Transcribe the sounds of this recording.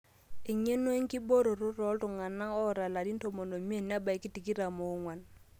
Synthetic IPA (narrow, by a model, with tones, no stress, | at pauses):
ɪ˨ɲe˦no˦i˦ŋ̩˦kɪ˦bo˦ɾo˨ɾʊ˦rɔ˨˦ltʊ˨ŋa˨na˦ɔ˦ɾa˨la˨di˦n̩˦tʰo˨mo˨no˨mi˦e˦˨na˦ba˨i˨˦kɪ˦ti˨ki˦ɾa˨mo˨˦ŋwa˨n